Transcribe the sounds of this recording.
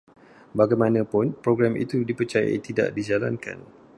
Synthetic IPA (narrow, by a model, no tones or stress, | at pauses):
baɡajmãnə̃pʊnpɾoɡɾamḭt̪udipət͡ʃaja̰it̪ida̰ʔdid͡ʒala̰nka̰n